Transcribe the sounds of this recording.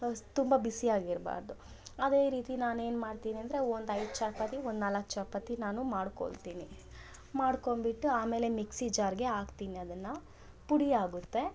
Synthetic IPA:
t̪umbɐbisijaːɡiɾba̰ːɾd̪u | ɐd̪e̞ːɾiːt̪inaːneːnmaːɽt̪iːniɐnd̪ɾeond̪ɐjd̪t͡ʃɐɾpɐt̪iond̪naːlɐkːt͡ʃɐpɐt̪inaːnumaːɽko̰ɭt̪iːni | maːɽko̞mbiʈːuaːme̞ːle̞miksid͡ʒaːɾɡe̞aːɡt̪iːniɐd̪ɐnːɐ | puɽiaːɡut̪ːe̞

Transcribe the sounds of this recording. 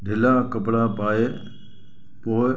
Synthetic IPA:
ɖʱɪlakəpɽapaːe | poːɪ

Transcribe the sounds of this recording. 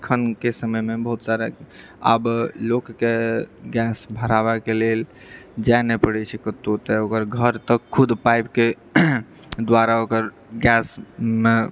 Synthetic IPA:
kʰənkesəməjmebəɦut̪saɾa | a̰blokːeɡɛsbʱəɾaβɛkelel | d͡ʒanepəɽɛt͡ʃʰɛkət̪ːot̪ɛokəɾɡʱəɾt̪əkkʰːud̪pajpke | d̪waɾaokəɾ | ɡɛsme

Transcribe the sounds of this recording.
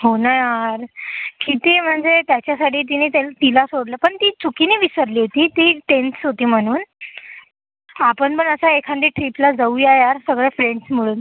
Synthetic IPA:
ɦonajaɾkit̪iːm̤əɳd͡zet̪jat͡ɕjasaʈʰiːt̪̬iniːt̪elat̪ilasoɽlapəɳt̪iːt͡sukiniːʋisəɾliːɦot̪iːt̪iːt̪ent̪sɦot̪iːm̤əɽ̃uːn | apəɳpəɳəsaekʰãnd̪iːʈɾiplad͡zaujajaɾsəɡɭjafɾeɳɖsm̤iɭuːn

